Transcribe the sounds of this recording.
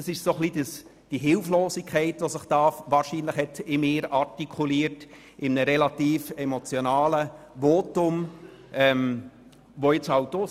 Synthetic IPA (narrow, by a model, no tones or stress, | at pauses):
əsɪʃsoχlidəs | d̥iɦɪlfloːsikʰχɛɪtʋosəχtɑːfʋɑːɾʃiːnləχhɛtɪmeːɾɑɾtikʰuliːərt | ɪmənəɾɛlɑt̪iːfɛmot͡sjonɑːlə | ʋoːtʊm | ʔɛm | ʋoɪt͡sɑwtoː